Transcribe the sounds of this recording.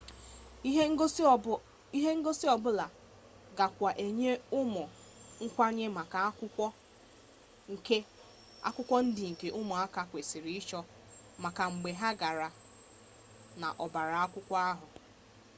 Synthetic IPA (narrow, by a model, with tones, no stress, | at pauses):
i˦ɦe˦ŋ̩˦ɡo˦si˦ɔ˨bʊ˦la˨ | ɡa˨kʷa˨ʔe˨ɲe˦ʊ˦mɔ˨ | ŋ̩˦kʷa˦ɲe˦ma˨ka˨˦kʊ˦ɔ˦ | ŋ̩˨ke˦ | a̰˦kʷʊ˦kʷɔ˦n̩˦dɪ˨ŋ̩˨ke˨ʔʊ˦mɔ˨a˦ka˨kʷe˨si˨ɾi˦ɪ˦t͡ʃɔ˦ | ma˨ka˨ŋ͡m̩˨ɡ͡be˨ɦa˦ɡa˨ɾa˨ | na˨ʔɔ˨ba˨ɾa˨a˦kʷʊ˦kʷɔ˦a˦ɦʊ˨